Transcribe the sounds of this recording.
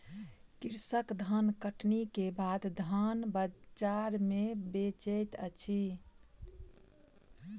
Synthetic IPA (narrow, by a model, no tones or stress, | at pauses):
kiɾsəkd̪ʱənkəʈnikebad̪d̪ʱənbət͡ʃaɾmebet͡ʃət̪ət͡ʃʰi